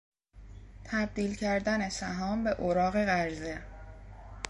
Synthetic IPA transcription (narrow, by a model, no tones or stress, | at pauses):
t̪ʰæb̚d̪iːlcʰæɾd̪æne̞sæɦɒːmbe̞ʔoɾɒːɣe̞ɣæɾze